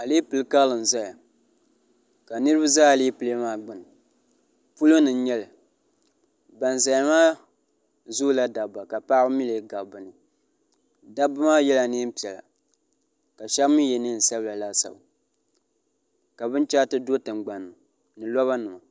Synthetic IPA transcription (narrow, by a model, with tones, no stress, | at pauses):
a˨li˦pɨ˨lɨ˦ka˦lɨ˨n˨za˦ja˨ | ka˨nɨ˦ɾɨ˦ba˦zaː˦˨li˦pɨ˨le˦maː˦ɡ͡bɨ˨nɨ˨ | pu˦lo˦nɨ˨˦ɲɛ˦lɨ˨ | ba˨n˨za˨ja˨maː˦ | zu˦la˦da˨ba˨ka˨pa˦bmi˦le˨˦ɡa˨bɨ˨nɨ˨ | da˦bɨ˦maː˦jɛ˦la˨ni˦m̩˦pi˨ɛ˨la̰˨ | ka˨ʃa˦mɨ˦jɛ˨nɨ˦n̩˨sa˦bɨ˦la˨la˦sa̰˨b | ka˨bɨ˦nt͡ʃa˦tɨ˦do˦tɨ˨mɡ͡ba˨nːɨ˨ | nɨ˨lɔ˦βa˦nɨ˨ma˨